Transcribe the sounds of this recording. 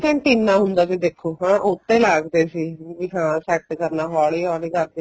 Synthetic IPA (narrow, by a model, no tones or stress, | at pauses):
kɛ̃ːʈiːnːaːɦʊnd̪aːsiːd̪eːkʰːoːɦãːʔʊt̪ːẽːlaːɡd̪eːsiːʋiɦãːsɛːk̚ʈkəɾnaːɦaːliːɦɔːliːkəɾd̪eː